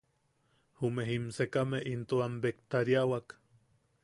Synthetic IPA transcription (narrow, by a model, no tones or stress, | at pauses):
humeɦimsekameʔint̪uambekt̪aɾjawak